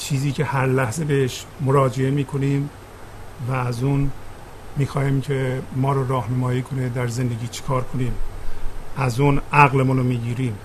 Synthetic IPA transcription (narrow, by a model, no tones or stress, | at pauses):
t͡ʃʰiːziːcʰehæɾlæhzebeeʃmoɾɒːd͡ʒe̞emiːkʰo̞niːm | væːzun | miːxɒːhiːmcʰemɒːɾɔːɾɒːhnemɒːjiːkʰo̞ned̪æɾze̞nd̪eɡiːt͡ʃʰe̥kʰɒːɾkʰoniːm | ʔæzuːnʔæɣlemunomiːɟiːɾiːm